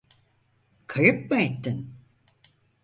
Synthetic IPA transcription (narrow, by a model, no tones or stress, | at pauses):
kʰajɯp̚maet̪ːin